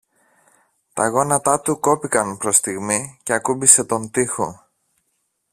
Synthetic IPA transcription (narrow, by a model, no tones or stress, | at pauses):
t̪ɐɣo̞nɐt̪ɐt̪uko̞pikɐnpɾo̞st̪iɣmice̞ɐkubise̞t̪o̞nt̪ixo̞̰